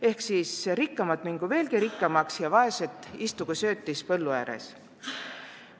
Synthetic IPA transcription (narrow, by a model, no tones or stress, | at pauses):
e̞hksiːsrikːɑmɑt̪miŋɡ̥uve̞ːlɡ̥iɾikːɑmɑksjɑvɑe̞set̪ːˑist̪uɡ̥usø̞ːt̪ːispɤ̞lːuæːɾḛs